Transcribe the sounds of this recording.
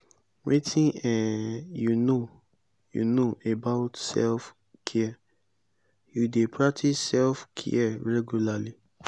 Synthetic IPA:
ɹitĩnɛ̃juno | jṵnoebaʊtsɛ̰lf | kʰɛɛ | judepʰɹak̚tʰisːɛlfkʰḭɛɹɛɡjulali

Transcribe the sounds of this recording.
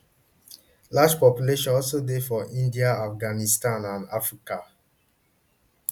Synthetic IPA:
lad͡ʒpɔpjuleʃɔ̃nɔlsodefɔʔĩndiaafɡanistãnãnafɹika

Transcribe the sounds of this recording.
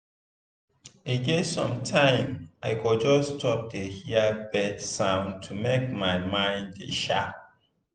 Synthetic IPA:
eɡetsɔ̰̃mtʰãɪ̃mʔaɪkɔd͡ʒɔsːtʰɔp̚dehiabɛdsãʊ̃ntʰumek̚maɪmãɪ̃ndḛʃa̰p

